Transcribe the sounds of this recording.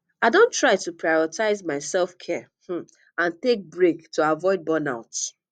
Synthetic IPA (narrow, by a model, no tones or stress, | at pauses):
aɪdõntɹaɪtupɹajɔtaɪzmaɪsɛlfkʰɛ | h̩ | ãntek̚bɹektʰuavɔɪd̚bɔ̃na̰ʊts